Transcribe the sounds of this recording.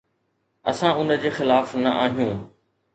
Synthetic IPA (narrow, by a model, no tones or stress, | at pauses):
ɐ̰sãʊnə̆d͡ʑeːxɪlaːfnɐʔaːɦijũː